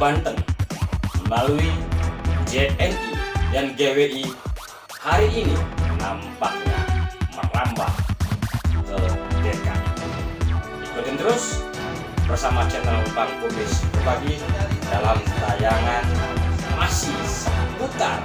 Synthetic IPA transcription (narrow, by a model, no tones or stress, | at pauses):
bant̪əŋ | əlalui | d͡ʒɛɛnt̪idanɡeweʔi | haɾiʔːninambahɲama̰ŋlamba̰h | kədeka̰ | ikut̪ənt̪əɾʊs | bərsamat͡ʃənlabak̚bumɪsbərbaɡidalamt̪ajaŋanʔasisəput̪a̰r